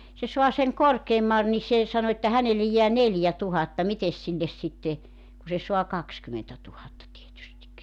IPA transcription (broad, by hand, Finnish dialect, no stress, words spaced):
se suɑ seŋ korkeːmːɑ ni se sɑno etːæ hænelːej jeæ neljætuhɑtːɑ mites silːes sitːe ku se soɑ kɑkskymentætuhɑtːɑ tietystik